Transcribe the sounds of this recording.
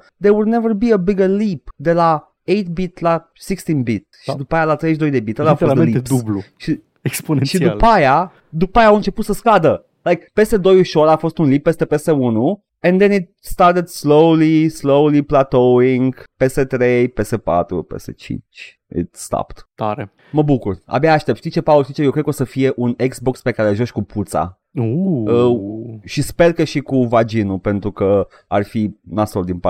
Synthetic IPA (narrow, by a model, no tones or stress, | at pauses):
d̪eɾwud̪nevəɾbiəbiɡəlipd̪ela | ejt̪bit̪la | sikst̪ĩnbit̪ʃid̪upajalat̪ɾejʃ̬d̪o̞jd̪e̞bit̪əlafoslid̪uluʃi | eksponeʃidd̪upaja | d̪upajaːwɨnt͡ʃe̞put̪səskad̪ə | lajkpe̞st̪e̞d̪o̞juʃo̞ɾafo̞st̪unlip̚ːest̪epe̞st̪e̞unu | ɛ̃nd̪enit̪̚st̪ɑɾt̪ed̪slowlislowliplat̪oiŋɡpe̞st̪et̪ɾejpe̞sepa̰t̪ɾṵpḛst̪ḛt͡ʃḭnt͡ʃ | ḭt̪st̪a̰pt̪t̪aɾe | məbukura̰bjaːʃt̪e̞pt̪ʃt̪it͡ʃe̞paolʃt̪it͡ʃejowkɾe̥kosəfije̞ʔuneɡzbo̞kspe̞kaɾelʒoʃkupʰut̪sa̰ | oəʃisperkəʃikuvad͡ʒinupe̞nt̪ɾukə | arfinasold̪inpa